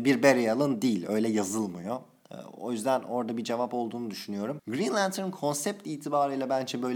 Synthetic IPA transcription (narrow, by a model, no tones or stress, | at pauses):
biɾbeɾejalˠɯnd̪ijilʲø̞jlʲɛjazɯlˠmajo̰ | o̞̰jyzd̪æno̞ɾd̪abid͡ʒe̞vapo̞lˠd̪uːnud̪yʃynyjo̞ɾumɡɾinlʲænt̪ʰnkʰo̞nsɛp̚t̪iːt̪ʰibaːɾɯjlʲˠabænd͡ʒɛbø̞jlʲ